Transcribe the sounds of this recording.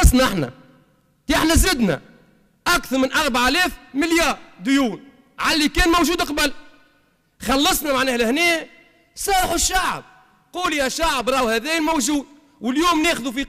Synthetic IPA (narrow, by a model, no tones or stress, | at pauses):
ɑsˤnʔaħnæ̰ | ʔəħnæzɪd̪næ̰ | ʔakθɑɾˤmɪnʔɑɾˤbaʕlɛːfmɪljaːɾd̪ʊjuːn | ʕalːikɛːnmowʒuːd̪qbəl | xɑlːɑsˤnæmaʕnɛːhlɪhnɛː | sˤɑːɾˤħʊʃːaʕ̰b̚ | quːljæʃaʕəbɾˤɑːwhæðɛːjəlmowʒuːd̪̚ | wəljuːmnɛːxʊðufi